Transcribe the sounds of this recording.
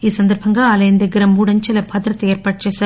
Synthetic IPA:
isɐnd̪ɐɾpʰɐŋɡɐɐlɐjnd̪ɐɡɪɾɐmuːɽɐnt͡ʃɐlɐpʰɐt̪ɾɐt̪ːɐeːɾpɐʈt͡ʃɐsɐ

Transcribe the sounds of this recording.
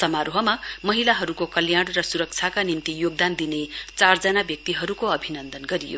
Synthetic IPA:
sʌmaɾoɦʌmamʌɦilaɦʌɾukokʌljaɽ̃rʌsuɾʌk̚t͡sʰjakanimt̪ijoɡ̚d̪and̪inet͡sard͡zʌnabjʌk̚t̪iɦʌɾukoʌbʱinʌnd̪ʌnɡʌɾijo̰

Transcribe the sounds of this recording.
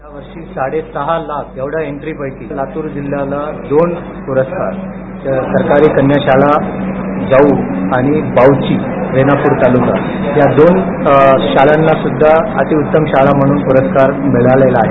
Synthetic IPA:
aʋəɾʂiːsaɽesəɦalakʰjeʋɽ̤aeɳʈɾiːpəjkiːlat̪uːɾd͡ʑil̤ːjalad̪onpuɾəskaɾsəɾkaɾiːkənjaɕala | d͡zauaɽ̃ibawt͡ɕiːɾenapuːɾt̪aluŋɡa | ɦ̪jad̪on | ɕalanːasud̪ʱːaa̰t̪iːut̪ːəmɕalam̤əɽ̃uːnpuɾəskaɾmeɭalelaːɦḛ

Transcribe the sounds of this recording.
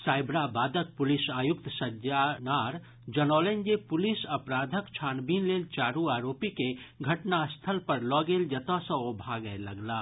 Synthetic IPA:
saːɪbɾabaːd̪ʱək̚pʊlɪsaːjʊk̚t̪səd͡ʒanaːɾ | d͡ʒɐnɔːlend͡ʒepʊlɪsɐpɾaːd̪ʱəkt͡ʃʰaːnbiːnleːlt͡ʃaːɾuaːɾoːpikeɡʱɐʈnast̪ʰəlpɐɾlɔːɡeːld͡ʒɐt̪asə̃obʱaɡəelɐɡlaː

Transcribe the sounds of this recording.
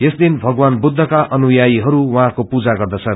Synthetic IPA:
jesd̪inbʱʌɡwanbud̪ʱːʌkaʔʌnujajiɦʌɾuwʌɦãkopud͡zaɡʌrd̪ʌt͡sʰʌ

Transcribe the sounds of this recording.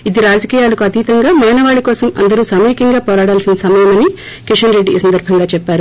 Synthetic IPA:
id̪iɾaːd͡ʒɐkiːjaːlɐkuɐt̪iːt̪ɐŋɡaːmaːnɐʋaːɭikɔːsɐmɐ̰nd̪ɐɾuːsɐmiːkɐŋɡaːpɔːɾaːɽaːlsinɐsɐmɐjɐmɐni | kiʂɐnɾe̞ɖːiːsɐnd̪ɐɾbʱɐŋɡaːt͡ʃɛpːaːɾu

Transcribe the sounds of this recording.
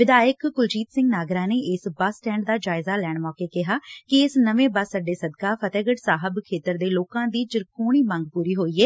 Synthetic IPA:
ʋɪd̪aːjəkɡʊld͡ʒiːt̪sɪ̃ŋɡnaːɡɾãːneːʔɪsbəsʈɛ̃ːɳɖd̪aːd͡ʒaːɪzaːlɛːɳmɔ̃ːkeːkɪɦaːkɪɪsnəʋẽːbəsːəɖeːsəd̪kaːpʰət̪ɛːɡəʈsaːɦəbkʰeːt̪əɾd̪eːloːkãːd̪iːt͡ʃəɾkʰoːɽiːmə̃ŋɡ̚puːɾiːɦoːiːɛː

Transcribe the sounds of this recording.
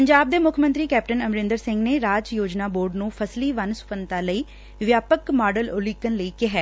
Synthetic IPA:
pəɲd͡ʒaːb̚d̪eːmʊkʰmə̃nt̪ɾiːkɛːp̚ʈənəmɾɪ̃nd̪əɾsɪ̃ŋɡneːɾaːd͡ʒjoːd͡ʒnaːboːɾɖnũːpʰəsliːʋənsʊ̥pənt̪aːləiː | ʋjaːpəkmaːɖəlʊliːkənləiːkɪɦɛː

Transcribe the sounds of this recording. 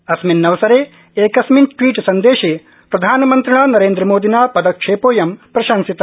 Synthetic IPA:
ɐsminːɐʋɐsɐɾeː | eːkɐsminʈʋiːʈsɐnd̪eːʃeː | pɾɐd̪ʱaːnɐmɐnt̪ɾɐɳaːnɐɾeːnd̪ɾɐmoːd̪ʱinaːpɐd̪ɐkʂʰeːpoːjɐmpɾɐʃansit̪ɐ

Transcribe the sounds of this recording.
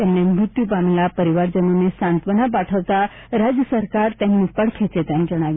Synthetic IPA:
t̪jamnemɾut̪jupamelapəɾiʋaɾd͡ʑənonesãnt̪ʋənapaʈʰəʋt̪a | ɾad͡ʑjəsəɾkaɾt̪janːipəɽkʰet͡set̪jand͡ʑəɽ̃aʋi

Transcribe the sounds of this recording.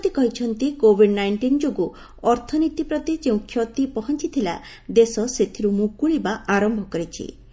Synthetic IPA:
t̪ikɔɦit͡ʃʰɔnt̪ikobʱiɖnajɳʈind͡ʒoɡu | ɔɾt̪ʰɔnit̪ipɾɔt̪id͡ʒeũkʰːjɔt̪ipɔɦɔnt͡ʃit̪ʰila̰ | d̪esɔset̪ʰiɾumukuɭibaaɾɔmbʱɔkɔɾet͡ʃʰḭ

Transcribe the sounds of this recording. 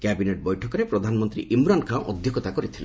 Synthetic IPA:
kɛbineʈ̚bɔjʈʰɔkɔɾepɾɔd̪ʱanmɔnt̪ɾḭʔimɾankʰãw̃ʔɔ̰d̪ʱjokɔt̪akɔɾit̪ʰilẽ

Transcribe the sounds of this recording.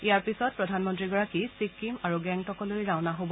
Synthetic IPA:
ijaɹpisɔt̚pɹɔdʱanmɔntɹiɡɔɹakisikːimaɹuɡɛŋtʰɔkɔlojɹaʊnaɦobɔ

